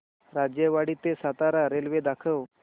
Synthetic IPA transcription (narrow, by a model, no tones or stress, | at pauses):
ɾad͡ʑjəʋaɽit̪ːesat̪aɾaɾelʋed̪akʰəw